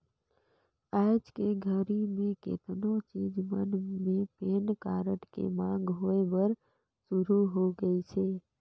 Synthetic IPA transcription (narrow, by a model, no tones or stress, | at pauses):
ad͡ʒkeɡʱəɾimẽkḛt̪not͡ʃid͡ʒmənmepenkaɾəʈkḛmãɡɦojbəɾ | suɾuɦoɡəit͡ʃʰe